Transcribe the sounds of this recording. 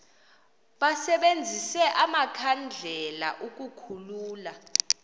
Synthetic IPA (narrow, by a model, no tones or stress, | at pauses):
ɓasɛɓend͡zʱisɛʔamakʰand͡ɮʱɛla̰ʔuk̬ʼukʰuluːla